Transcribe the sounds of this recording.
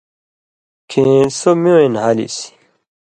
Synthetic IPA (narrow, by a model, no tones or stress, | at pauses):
kʰesomoenhalḭsi̥